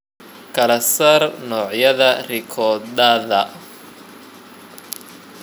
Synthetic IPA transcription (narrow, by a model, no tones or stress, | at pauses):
kʰɐlɐsɐrnɔːʕjɐðɐrɪkʰɔːd̪aðɐ